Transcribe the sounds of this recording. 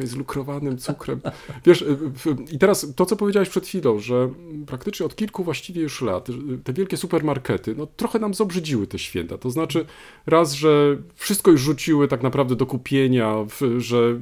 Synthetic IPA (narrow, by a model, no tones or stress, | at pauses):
zlukɾɔvanɘmt̪sukɾɛmvʲjɛʂfit̪ɛɾast̪ɔt̪sɔpɔvjed͡ʑawɛɕpʂɛt̪xʲfʲilɔ̃w̃ʐɛpɾakt̪ɘt͡ʂɲɛɔt̪kʲilkuvwaɕt͡ɕivʲjɛjuʂla̰t̪t̪ɛvʲjɛlkʲɛsupɛɾmaɾkɛt̪ɘnɔt̪ɾɔxɛnamzɔbʐɘd͡ʑiwɘt̪ɛɕfʲjɛ̰nt̪at̪ɔznat͡ʂɘ | ɾazʐɛfʂɘst̪kɔjuʂʐut͡ɕiwɘt̪aknapɾavd̪ɛd̪ɔkupʲjeɲafʐɛ